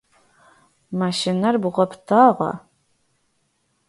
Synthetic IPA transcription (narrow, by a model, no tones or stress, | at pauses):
maːʃɪnɐrbʁʷɔpʰtʰaːʁɑ̰